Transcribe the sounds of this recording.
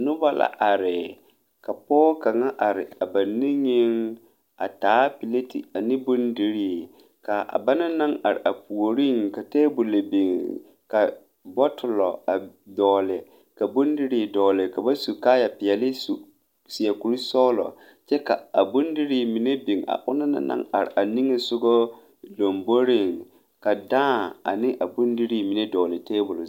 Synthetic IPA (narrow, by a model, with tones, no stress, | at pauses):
nʊ˦ba˦la̰˨ʔa˨ɾɪ˨ | ka˨pɔː˦ka˨ŋa˦ʔa˨ɾɪ˨a˨ba˨ni˦ŋɪ˦ŋ | a̰˨taː˨˦pi˨le˦tḭ˨a˨nɪ˦bʊ˦ndi˦ɾiː˦˨ | ka˨ʔa̰˨ba˦na˦na˦ŋa˨ɾɪ̰˨ʔa˨pu˨o˨ɾi˦˨ŋka˨tɛː˦bu˨le˨bi˨ŋ | ka˨ | bɔ˦tʊ˨lɔ̰˨a˨dɔː˨lɪ˨ | ka˨bʊ˦ndi˦ɾɪ˨dɔː˨lɪ˨ka˨ba˦su˨kaː˦ja˨pɪ˨jɛ˨lɪ˦s | sɪ˨ɛ˨ku˨ɾi˦sɔː˦lɔ̰˨ | t͡ʃɛ˦ka˨a˨bʊ˦ndi˦ɾi˨mi˨ne˦bi˨ŋa̰˨ʔʊ̰˦na˦na̰˦na̰˦ŋa̰˨ɾɪ̰˨ʔa˨ni˦ŋe˨sʊ˦ɡɔ˦ | do˨mbo˦ɾi˦ŋ | ka˨dãː˦˨a̰˨nɪ˦ʔa˨bʊ˦ndi˦ɾi˦mi˨ne˦dɔː˨lɪ˨teː˦bʊ˨l